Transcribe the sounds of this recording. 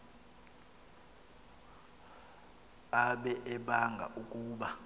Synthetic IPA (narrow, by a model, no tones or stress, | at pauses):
aɓɛʔɛɓaŋɡʱa̰ʔukʼuːɓa